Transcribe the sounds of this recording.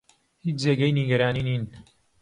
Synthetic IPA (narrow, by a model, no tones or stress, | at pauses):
hiːt͡ʃzeːɡɐjniɡɐɾaːniːniːn